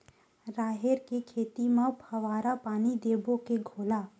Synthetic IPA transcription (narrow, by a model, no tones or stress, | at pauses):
ɾaːɦeɾkekʰeːt̪imãbʰʱɐʋaːɾapaːnid̪eːbokeɡʱoːlaː